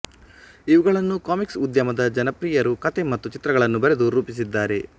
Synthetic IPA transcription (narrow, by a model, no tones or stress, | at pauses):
iʋuɡɐɭɐnːukaːmiksud̪jɐmɐd̪ɐd͡ʒɐnɐpɾiːjɐɾukɐt̪e̞mɐt̪ːut͡ʃit̪ɾɐɡɐɭɐnːubɐɾe̞d̪uɾɾuːpis̬id̪ːaːɾe̞